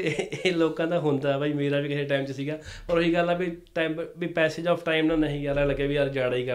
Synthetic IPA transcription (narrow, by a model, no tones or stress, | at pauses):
loːkãːd̪ãːɦõːnd̪aːɛbaːiːmeːɾaːbiːkɪseːʈaːɪmt͡ʃsiːɡaːpəɾʊɦiːɡəlːaːbiːʈabiːpɛːseːd͡ʒɔːpʰʈaːɪmnãːnəɦĩːkəɾãːləɡeːbiːəɾd͡ʒaːɽaːiːkəɾ